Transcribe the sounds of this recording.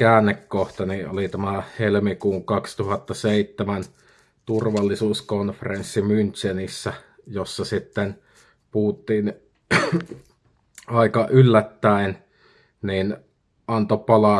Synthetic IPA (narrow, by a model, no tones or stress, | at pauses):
kæːnːekkoht̪ɑniʔʔolit̪æmæhelmikuːŋkɑkst̪uhɑt̪ːɑseˑit̪ːemæn | t̪urʋɑlːisuːskonferensːimynʲt͡ʃenisːæ | josːɑsit̪ːen | puːt̪ːˑiːn | ɑˑikɑʔylːæt̪ːæˑen | niːn | ʔɑnt̪opɑlɑ